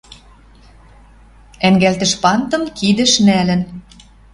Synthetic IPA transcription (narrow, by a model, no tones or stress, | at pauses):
æŋɡælt̪ə̆ʃpɑnt̪ɤ̆mkid̪ə̆ʃnælə̆n